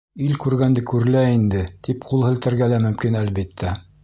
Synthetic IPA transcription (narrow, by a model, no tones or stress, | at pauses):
ilkʉɾɡænd̪ɘkʉɾɘ̆læind̪ɘt̪ʰipqulˠhɘ̆lt̪ɘ̆ɾɡælæmɵ̆mkinælβit̪ʰːæ